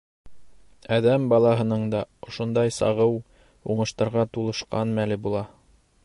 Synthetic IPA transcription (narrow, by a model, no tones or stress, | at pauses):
æðæmbɑlˠɑɦɤ̆nɤɴd̪ɑŏʃŏnd̪ɑjsɑ̰ʁɤw | uɴɤ̆ʃt̪ɑɾʁɑt̪ulˠɤ̆ʃqɑnmælɘbulˠɑ